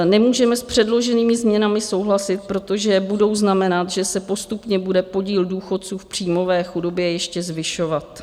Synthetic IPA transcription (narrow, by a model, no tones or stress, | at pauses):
nɛmuːʒɛmɛspr̝̥ɛdlo̞ʒɛniːmɪzmɲɛnamɪso̞wɦlasɪt̪̚pɾot̪o̞ʒɛbudo̞wznamɛnat̪ʒɛsɛpo̞st̪upɲɛbudɛpo̞ɟiːlduːxo̞t̪t͡suːfpr̝̥iːmo̞vɛːxudo̞bjɛjɛʃcɛzvɪʃovat̪